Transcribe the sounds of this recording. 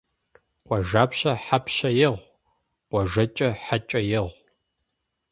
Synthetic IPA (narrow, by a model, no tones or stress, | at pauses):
qʷɔʒaːpɕɐħapʰɕɐjɪʁʷ | qʷɔʒɐt͡ʃʼɐħat͡ʃʼɐjɪʁʷ